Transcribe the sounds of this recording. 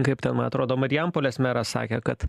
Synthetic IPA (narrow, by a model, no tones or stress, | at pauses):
kɐɪpʲt̪ʲɛnmɐnɐt̪ɾoːd̪oːmɐɾʲɪjɛmpoːlʲesʲmʲɛɾɐsɑ̰ːkʲekɐt̪